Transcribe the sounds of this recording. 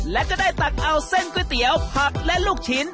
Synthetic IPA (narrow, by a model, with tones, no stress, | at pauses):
lɛ˦˥kɔː˧˥˩daː˥˩jt̪a˨˩k̚ʔa˧wse˥˩nkːt̪i˨˩˦əwpʰa˨˧˩k̚lɛ˦˥ʔluː˥˩k̚t͡ɕʰi˦˥n